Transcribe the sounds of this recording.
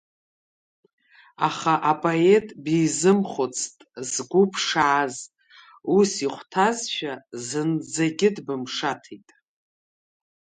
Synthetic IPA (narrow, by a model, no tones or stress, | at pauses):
aχaʔapʼoe̞tʼbijzɨmχʷʊt͡sʰʼtʼzɡʷupʰʂaːz | usiχʷtʰazʃʷᶣazɨnd͡zaɡʲɪdbɨmʂatʰijtʼ